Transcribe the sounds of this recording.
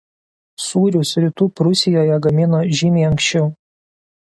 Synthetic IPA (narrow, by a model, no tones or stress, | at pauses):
suːɾʲʊsɾʲit̪uːpɾʊsʲɪjoːjɛɡɐmʲɪnoːʒʲimʲeːɐŋksʃʲt͡ʃʲɛʊ